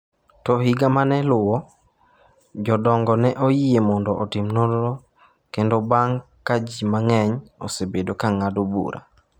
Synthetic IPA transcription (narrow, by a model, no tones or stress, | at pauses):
tɔɦɪɡamanɛlʊwɔ | d͡ʒɔdɔŋɡɔnɛʔojiemɔndɔʔːtɪmnodɾo | kendobaŋ | kad͡ʒimaŋɛɲɔsebedokaŋadobṵɾʔa̰